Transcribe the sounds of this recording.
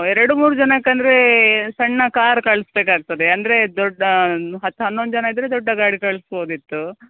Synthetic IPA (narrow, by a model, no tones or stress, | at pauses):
ɛɾɐɽumuːɾud͡ʒɐnɐkːɐnd̪ɐɾe̞sɐɳːɐkaːɾkɐɭusbeːkaːɡ̚t̪ɐd̪eɐnd̪ɐɾe̞d̪ɔɖɐɦɐt̪ːuɦɐnːond̪d͡ʒɐnɐid̪ɾed̪ɔɖːɐɡaːɽikɐɭsboːd̪it̪ːu